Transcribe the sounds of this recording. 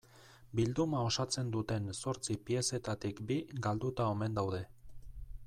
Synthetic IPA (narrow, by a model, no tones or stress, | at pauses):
bild̪umao̞sat͡se̞nd̪ut̪e̞nso̞ɾt͡sipie̞se̞t̪at̪ikbiɡald̪ut̪ao̞me̞nd̪awðe̞